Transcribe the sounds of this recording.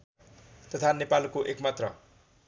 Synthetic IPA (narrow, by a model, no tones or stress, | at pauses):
t̪ʌt̪ʰanepalkoʔekmat̪rʌ